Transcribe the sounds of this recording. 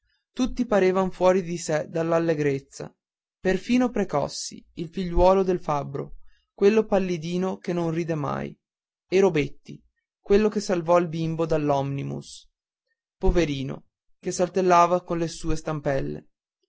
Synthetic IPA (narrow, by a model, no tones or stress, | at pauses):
t̪ut̪ːipaɾeːvanfwɔːɾid̪ised̪alːalːeɡɾet̪sːa̰ | perfiːnopɾekɔ̰sːḭilfiʎːwɔːlod̪elfabːɾo̰ | kwelːopalːid̪iːnokenːõnriːd̪ema̰j | eɾobet̪ːi | kwelːokesːalvɔilbimbod̪alːɔmnimṵs | poveɾiːno̰ | kesalt̪elːaːvakonlesuːest̪ampɛlːḛ